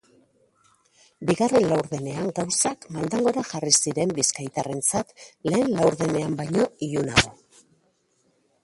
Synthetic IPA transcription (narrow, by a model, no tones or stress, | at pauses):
biɣare̞nlawɾðene̞aŋɡawsakmald̪aŋɡo̞ɾaʝarisiɾe̞mbiskajt̪are̞nt͡sat̪le̞ːnlawɾðe̞ne̞ambajɲo̞iuna̰ɣo̞